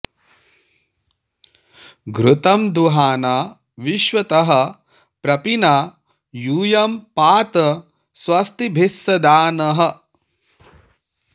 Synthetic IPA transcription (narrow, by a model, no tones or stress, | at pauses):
ɡɾut̪ɐmd̪uɦaːnaː | ʋiʃʋɐt̪ɐɦɐ̆ | pɾɐpina | juːjɐmpaːt̪ɐ | swɐst̪ibʱisːɐd̪aːnɐɦɐ